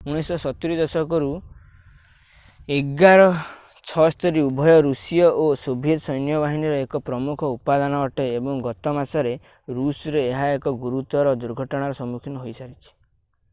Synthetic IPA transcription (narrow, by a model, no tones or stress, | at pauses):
uɽ̃isɔsɔt̪iɾid̪ɔsɔkɔɾu | eɡaɾɔ | t͡ʃʰɔst̪ɔɾiubʱɔjɔɾusijɔʔosobʱjet̪sɔjnjɔβaɦiniɾɔekɔpɾɔmukʰɔupad̪anɔɔʈeːbɔŋɡɔt̪ɔmasɔɾe | ɾusɔɾeːɦaekɔɡuɾut̪ɔɾɔd̪uɾɡʱɔʈɔɽ̃aɾɔsɔmukʰinɔɦojsaɾit͡ʃʰi̥